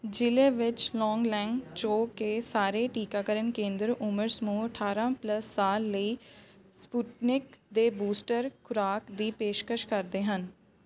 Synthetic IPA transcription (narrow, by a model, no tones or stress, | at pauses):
d͡ʒɪleːʋɪt͡ʃlɔːŋɡlɛːŋɡt͡ʃoːkeːsaːɾeːʈiːkaːkəɾənkẽːnd̪ɾʊməɾsmũːəʈʰaːɾãːpləsːaːlːəiːspuːʈnɪkd̪eːbuːsʈəɾkʰʊɾaːkd̪iːpeːʃkəʃkəɾd̪eːɦən